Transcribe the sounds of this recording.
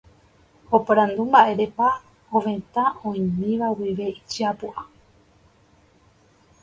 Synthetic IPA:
opaɾãnd̪umbaʔe̞ɾepa | oʋẽ̞t̪ãõĩmĩʋawiʋe̞it͡ʃiapuʔa

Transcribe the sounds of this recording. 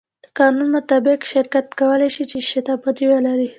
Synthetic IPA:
d̪̥əkɑnunmʊt̪abɪqʃɪɾkat̪kawəlajʃit͡ʃeʃɪt̪ɑpad̪iwalaɾi

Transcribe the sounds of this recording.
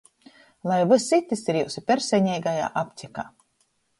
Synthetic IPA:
lˠajvɨsit̪isiɾjuwsipʲɛɾsʲɛɲɛjɡaja̰ːʔapʲt̪ʲika̰ː

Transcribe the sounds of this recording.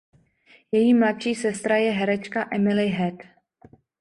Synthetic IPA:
jɛjiːmlat̪ʃiːsɛst̪ɾajɛɦɛɾɛt͡ʃkaʔɛmɪlɪɦɛt̪

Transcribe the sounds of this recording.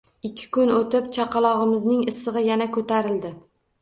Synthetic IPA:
ɪkʲʰːɪ̥kʊnot̪ɪp̚t͡ʃʰaqɑlˠɒʁɨmɪznɪŋɪsɨʁɨjanakʰɵt̪ʰaɾɪld̪ɪ

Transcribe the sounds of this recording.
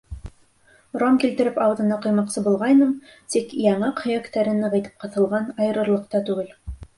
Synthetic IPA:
ɾomkilt̪ɘ̆ɾɘpɑwðɤ̆nɑqŏjmɑqsɤbulˠʁɑjnɤmt̪ikjɑɴɑqhɤ̆jækt̪æɾɘ̆nɘʁɑ̆jt̪ɤ̥p̚qɤ̆θɤ̆lˠʁɑnɑjɤ̆ɾɤ̆ɾlˠɤ̆q̚t̪ɑt̪ʉɡɘl

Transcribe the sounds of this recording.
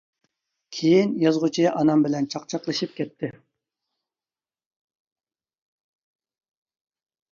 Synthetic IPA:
kʲʰejinjɑzʁut͡ʃʰijɑʔɑnɑmbɪlɛnt͡ʃʰɑqt͡ʃʰɑqlˠɨʃip̚kʲʰɛt̪ʰːɪ

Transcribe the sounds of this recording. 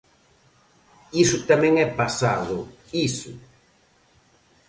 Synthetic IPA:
isʊt̪amɛ̃ŋɛpasaðʊ | isʊ

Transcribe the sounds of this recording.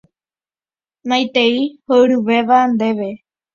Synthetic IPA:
nãjt̪eihoɾuʋe̞ʋand̪e̞ʋe̞

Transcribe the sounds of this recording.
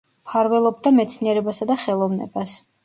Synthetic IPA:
pʰaɾvɛlˠɔb̚d̪amɛt̪sʰniɛɾɛbasad̪aχɛlˠɔvnɛ̰bas

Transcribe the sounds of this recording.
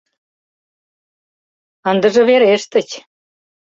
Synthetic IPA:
ənd̪ə̆ʒɤ̆βeɾeʃt̪ə̆t͡ɕ

